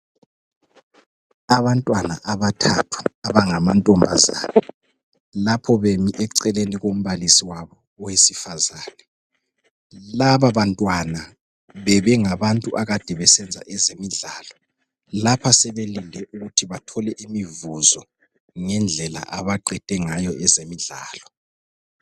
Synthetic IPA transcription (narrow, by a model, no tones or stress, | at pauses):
aβantʼwana̰ʔaβatʰatʰwaːβaŋamantʼɔmbʱa̰za̰ːnɛ | lapʰɔβemiʔɛǀɛleniɣom̩βalisiwaβɔːwesifazaːnɛ | laβaβantʼwana | βɛβɛŋaβantʼuʔaɣad̥ʱɛβɛsɛnd͡zʱa̰ʔɛzemiɮaːlɔ | lapʰasɛβelindʱɛʔuɣutʰiβatʰɔlɛʔimivuzɔ | ŋɛnd͡ɮʱɛla̰ʔaβaǃɛd̥ʱʼɛŋajɔʔɛzemiɮa̰ːlɔ